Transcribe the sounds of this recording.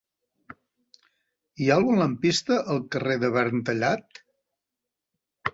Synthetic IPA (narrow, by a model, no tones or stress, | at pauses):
ialˠɣunləmpist̪əʔəlˠkəreðəβɛɾnt̪əʎat̪